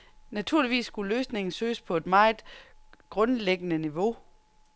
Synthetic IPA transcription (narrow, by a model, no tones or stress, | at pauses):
næt͡sʰuɐliʋḭːsːɡ̥uløːsne̝ŋn̩søːspʰɒ̽e̝d̥mɑ̈ːɪðˠɡ̥ʁɔ̽nleɡ̥ənəniʋo̝